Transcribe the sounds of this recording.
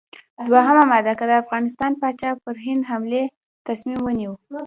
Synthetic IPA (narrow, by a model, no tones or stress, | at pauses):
d̪waɦamamad̪akəd̪əafɣɑnɪs̬t̪ɑnpɑt͡ʃɑpəɾɦɪnd̪ɦamle | t̪asmimwəniwə